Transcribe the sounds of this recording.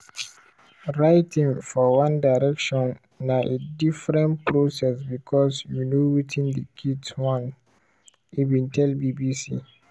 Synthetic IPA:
ɹaɪtʰĩŋfɔwãndaɪɾɛkʃɔ̃nː | aʔedifɾɛ̃npʰɾosɛsbikʰɔsjunowitʰĩndəkʰidswãn | ivĩntʰɛlbibisḭ

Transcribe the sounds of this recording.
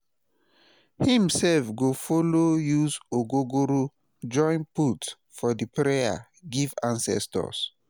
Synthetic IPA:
hĩmsɛlfɡofolojuzoɡoɡoɾu | d͡ʒɔ̃nput | fɔdipɹeja̰ | ɡivãnsɛ̰stɔ̰s

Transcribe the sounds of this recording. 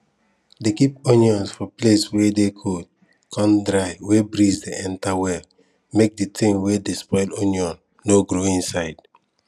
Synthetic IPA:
dekiponiɔ̃nsfɔpleswɛdekʰod | kʰɔ̃ndɾaɪwɛbɾizdiʔɛ̃ntawɛl | mek̚ditĩŋwɛdespɔɪloniɔ̃nːoɡɾoĩnsaɪd̥

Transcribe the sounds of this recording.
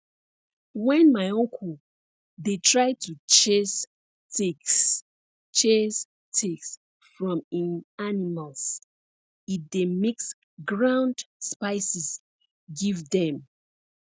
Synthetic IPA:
wɛ̃nmaɪɔ̃ŋkʰɔl | detʰɹaɪtʰut͡ʃes | t | t͡ʃes | tʰeks | fɹɔ̃mĩnanimalˠs | it̚demiks | ɡɹãʊ̃ndspaɪsis | ɡivdɛ̃m

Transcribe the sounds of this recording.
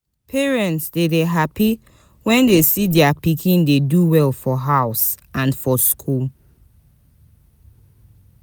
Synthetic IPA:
pʰɛɹɛ̃ntsdedeɦapi | wɛ̃ndesidɛapikʰĩndeduwɛlfɔɦaʊs | ãnfɔskʰul

